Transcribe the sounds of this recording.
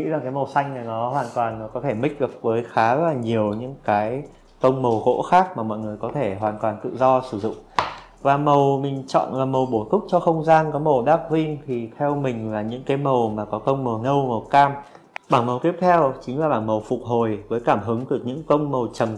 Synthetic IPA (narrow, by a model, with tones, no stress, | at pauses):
ŋḭ˧˥laː˨˩kaː˨˦jmə˨˩wsa˧jŋ̟nə˨˩nɔ˨˦ɦwaː˨˩nt̪waː˨˩nːɔ˨˦kɔ˨˦t̪ʰe˧˩mï˦˥k̟̚ɗɨ˨˩ək̚vəː˨˦jxaː˨˦zaː˨˩ɲi˨˩əwɲɨ̰˧˥ŋkaː˨˦j | kə˧wŋ͡mmə˨˩wɣo̰˧˥xaː˦˥k̚maː˨˩mɔ̰˧˨jŋɨ˨˩əjkɔ˨˦t̪ʰe˧˩ɦwaː˨˩nt̪waː˨˩nt̪ɨ̰˧˨zɔ˧sɨ˧˩zʊ̰˧˨ŋ͡m | vaː˨˩mə˨˩wmï˨˩ŋ̟t͡ɕɔ̰˧˨nlaː˨˩mə˨˩wɓo˨˧˦k̪ʊ˦˥k͡p̚t͡ɕɔ˧xə˧wŋ͡mzaː˧nkɔ˨˦mə˨˩wɗaː˦˥p̚hi˧ŋt̪ʰi˨˩t̪ʰɛ˧wmï˨˩ŋ̟laː˨˩ɲɨ̰˧˥ŋkaː˨˦jmə˨˩wmaː˨˩kɔ˨˦kə˧wŋ͡mmə˨˩nə˧wmə˨˩wkaː˧m | ɓaː˧˩nmə˨˩wt̪i˦˥əp̚t̪ʰɛ˧wt͡ɕï˨˦ŋ̟laː˨˩ɓaː˧˩nmə˨˩wfʊ˨˩k͡p̚ɦo˨˩jvəː˨˦jkaː˧˩mɦɨ˨˦ŋt̪ɨ˨˩ək̚ɲɨ̰˧˥ŋkə˧wŋ͡mmə˨˩wt͡ɕə˨˩m